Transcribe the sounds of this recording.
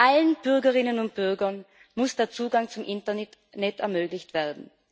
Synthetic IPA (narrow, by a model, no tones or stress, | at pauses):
ʔalənb̥ʏʁɡɐʁɪnənʊnt̚b̥ʏʁɡɐn | mʊsd̥eːɐt͡suːɡaŋt͡sʊmʔɪntɐ | nɛtɛɐmøːɡlɪçtv̥eːɐdn̩